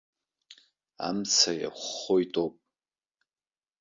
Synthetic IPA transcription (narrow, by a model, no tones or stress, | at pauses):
a̰mt͡sʰaja̰χʷojtʼopʼ